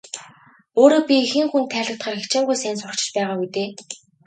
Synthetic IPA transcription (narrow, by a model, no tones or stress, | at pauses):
oːɾoːpʲiixɘ̆ŋxunt̪ʰæːɮə̆k̚t̪χaːrxet͡ɕɪ̆ŋɡujsæːnsʊr̥kt͡ɕɪ̆t͡ɕpæːʁaːɡut̪eː